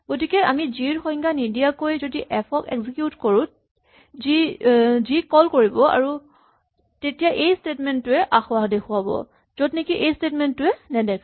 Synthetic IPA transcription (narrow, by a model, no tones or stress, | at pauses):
ɡ̥otikɛamiziɹxɔjŋɡanidijakojzodiʔɛpʰɔkɛ̰ɡzikjutkoɹʊ̃ | zizikɔlkoɹibɔa̰ɹu | tetijaʔejstetmɛntːʊɛʔaxʊadexʰʊabɔ̰ | z̥odnikiʔejstetmɛntːʊɛnɛdɛk